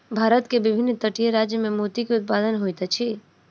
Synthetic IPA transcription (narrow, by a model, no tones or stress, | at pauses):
bʱaɾət̪kebibʱinːt̪əʈijəɾad͡ʒjəmemot̪ikeʊt̪̚pad̪ənɦojt̪ət͡ʃʰi